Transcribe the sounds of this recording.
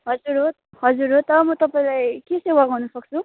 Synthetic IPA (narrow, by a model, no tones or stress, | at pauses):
ɦʌd͡zuɾɦo | ɦʌd͡zuɾɦot̪ʌmʌt̪ʌpaĩlajkesewaɡawnusʌk̚t͡sʰu